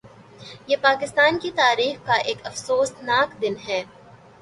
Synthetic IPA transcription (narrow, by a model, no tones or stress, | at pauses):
jeːpaːkɪst̪aːnkit̪aːɾiːxkaʔeːkɐfsoːst̪naːkd̪ɪnɦɛː